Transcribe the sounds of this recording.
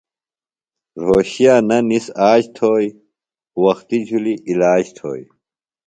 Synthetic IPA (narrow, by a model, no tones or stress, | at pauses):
ɾoːɕijaːnɐnisaːd͡ʑt̪ʰoːj | wɐxt̪id͡ʑʱuliʔilaːd͡ʑt̪ʰo̰ːj